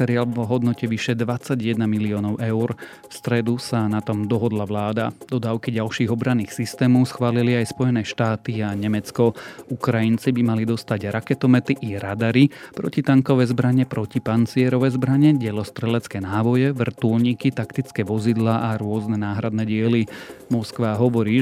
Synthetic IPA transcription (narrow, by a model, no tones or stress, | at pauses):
sɛɾiaːlʋɦɔd̪nɔcɛʋiʃɛd̪ʋat͡saɟjɛd̪namiliɔːnɔʊʔɛʊɾ | fst̪ɾɛd̪usanat̪ɔmd̪ɔɦɔd̪laʋlaːd̪a̰d̪̥ɔd̪aːʊkiɟalʃiːɣɔbɾanːiːxsist̪ɛːmɔʊsxʋaːliliajspɔjɛnɛːʃt̪aːt̪iaɲɛmɛt͡skɔʔukɾajint͡sibimalid̪ɔst̪aɟɾakɛt̪ɔmɛt̪iʔiɾad̪aɾipɾɔ̰cit̪aŋkɔʋɛzbɾaɲɛpɾɔcipant͡siɛɾɔʋɛzbɾaɲɛɟɛlɔst̪ɾɛlɛt͡skɛːnaːʋɔjɛʋr̩t̪ulɲikit̪akt̪it͡skɛːʋɔzid̪laːʔaɾʊɔznɛnaːɦɾad̪nɛɟɪɛlimɔskʋaɦɔʋɔɾiː